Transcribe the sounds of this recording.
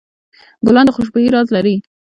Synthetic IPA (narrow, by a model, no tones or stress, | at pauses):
ɡʊlɑnd̪əxʊʃ̬bojiɾɑzlaɾi